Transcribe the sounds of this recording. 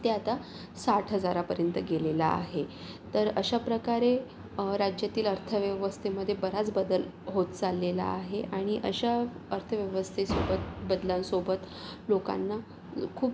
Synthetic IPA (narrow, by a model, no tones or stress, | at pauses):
t̪eat̪a | saʈʰɦəd͡zaɾapəɾjənt̪əɡelela̰a̰ɦe | t̪əɾəɕapɾəkaɾe | ɾad͡ʑjat̪iːləɾt̪ʰəʋjəʋəst̪ʰeməd̪ʱːjebəɾat͡sbəd̪əl | ɦot̪t͡salːela̰ːɦeʔaɽ̃iʔəɕa | əɾt̪ʰəʋjəʋəst̪ʰesobət̪̚bəd̪lãnsobət̪ | loka̰nːa | kʰuːp